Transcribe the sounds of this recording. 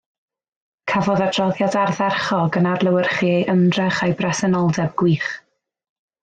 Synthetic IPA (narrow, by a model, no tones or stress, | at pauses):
kʰavɔðadʰrɔðjadarðarχɔɡənarlˠəwɪrχiejʔəmdrɛχajbrɛsɛnɔlˠdɛb̚ɡwiːχ